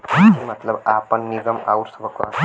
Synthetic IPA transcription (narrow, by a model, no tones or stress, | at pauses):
mət̪ləbapənːiɡəma̰uɾsəbʱəkʋa̰